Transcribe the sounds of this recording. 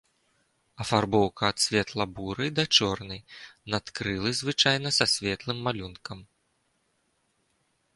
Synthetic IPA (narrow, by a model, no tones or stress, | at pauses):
ɐfarbɔwkɐːt̪sʲvʲɛt̪lˠɐbuɾɨd̪ɐt͡ʂɔrnɐjnat̪kɾɨlˠɨzvɨt͡ʂajnɐsɐsʲvʲɛt̪lˠɨmːalʲunkɐm